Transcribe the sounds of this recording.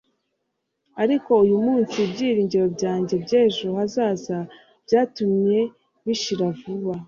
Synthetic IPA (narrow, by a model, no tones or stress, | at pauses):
aɾiko̞ujumuːnsibɟiːɾiːɲɟeɾo̞bɟaːɲɟe̞bɟeːʒohazaːza | b̥ɟaːtumɲe̞ | βiʃiɾavuβa